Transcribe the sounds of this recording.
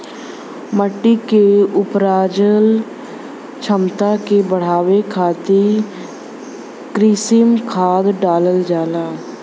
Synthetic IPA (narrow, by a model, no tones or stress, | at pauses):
məʈːikeʊpɾaːd͡ʒəl | t͡ʃʰəmt̪akebəɽ̤aːʋekʰaːt̪i | kɾiːsɪmkʰaːd̪ɖaːləld͡ʒaːlaː